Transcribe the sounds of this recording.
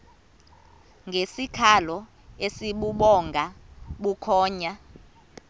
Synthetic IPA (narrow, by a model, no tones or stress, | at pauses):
ŋɡʱesikʰalɔ | esiɓuɓɔŋɡʱaɓukʰɔːɲa